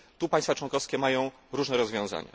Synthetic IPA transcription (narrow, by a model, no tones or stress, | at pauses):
t̪upaɲjst̪fat͡ʂwɔŋkɔfskʲɛmajɔ̃w̃ | ɾuʐnɛɾɔzvʲjɔ̃w̃za̰ɲa̰